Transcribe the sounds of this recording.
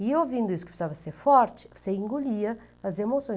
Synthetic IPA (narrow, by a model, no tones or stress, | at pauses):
iowvĩnd̪ʊis̬ʊ̥kɪ̥psavɐseɾfɔɾt͡ʃɪ̥seĩŋɡuʎiɐ | ɐzemosõj̃